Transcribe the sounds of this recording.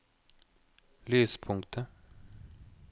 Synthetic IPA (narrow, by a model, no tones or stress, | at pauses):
lyːspʰʊŋkt̪ʰə